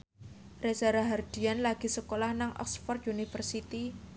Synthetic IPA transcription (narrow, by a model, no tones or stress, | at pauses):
resaɾaɦard̪̥i̤anlaɡ̥i̤səkolahnaŋʔɔ̰kspɔrt̪unifərsit̪i